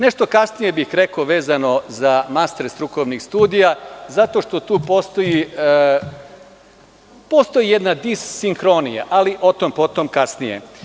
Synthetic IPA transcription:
neʃt̪o̞kasnije̞bixɾe̞koʋe̞ːzano̞zamast̪ɾst̪ɾukoʋnixst̪uːd̪ijazat̪o̞ʃt̪o̞t̪uːpo̞st̪ojiə | post̪o̞jijed̪nad̪isːiŋxɾo̞nija̰ʔaliʔo̞t̪ompo̞t̪o̞mkasnijḛ

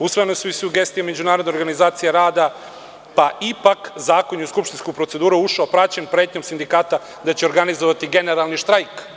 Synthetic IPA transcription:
usʋojnesuisuuɡe̞st̪ijeme̞d͡ʑunaːɾod̪ne̞oɾɡanizaːt̪sijeɾaːd̪a | paipakzaːko̞ɲiuskupʃt̪inskupɾose̞d̪uːɾuuʃaopɾat͡ɕenpɾeːt̪ɲo̞msind̪ikaːt̪a | d̪at͡ɕeoɾɡanizoʋat̪iɡe̞neɾalˠniʃt̪ɾajk

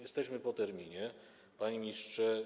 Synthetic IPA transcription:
jɛst̪ɛɕmɘpɔt̪ɛɾmʲiɲɛ | paɲimʲistʂɛ

